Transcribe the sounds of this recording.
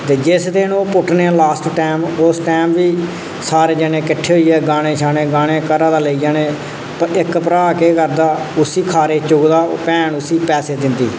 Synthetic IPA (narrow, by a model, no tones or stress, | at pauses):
t̪eːd͡ʒɪsd̪eːnoːpʊʈnẽlaːsʈʈaːmʊsʈɛːmʋiː | saːɾeːd͡ʒəneːkɪʈʰːeːɦʊiːɛːɡaːñeːʃʰaːneːɡaːneːkəɾaːd̪aːləiːd͡ʒaːneː | ɪkpəɾaːkeːkəɾd̪aːʊsiːkʰaːɾeːt͡ʃʊɡd̪aːpɛ̃ːɳʊsiːpɛːseːd̪ɪnd̪ḭː